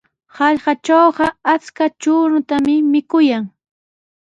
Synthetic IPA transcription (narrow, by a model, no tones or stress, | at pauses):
hɑʎɢɑt͡ʃawɢɑat͡skat͡ʃʊːɾʊt̪amɪmɪkʊjaŋ